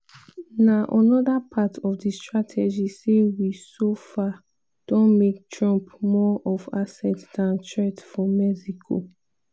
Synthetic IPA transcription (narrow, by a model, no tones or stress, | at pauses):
naʔãnɔdapʰatʰɔfdistɹatʰɛd͡ʒisewisofa | d̥ɔ̃nmek̚tɹɔ̃mpmɔʔɔvasɛtsdãntɹɛtfɔmɛsikʰo̰